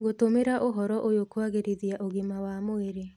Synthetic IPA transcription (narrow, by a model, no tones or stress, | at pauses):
ɣotomeɾaʔoɦɔɾɔʔojokwaɣeɾeðiaʔoɣimawamoeɾe